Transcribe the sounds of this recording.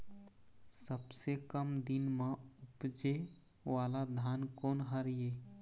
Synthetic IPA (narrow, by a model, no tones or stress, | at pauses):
səbsekəmd̪inmeupd͡ʒe | walad̪ʱankonɦəɾije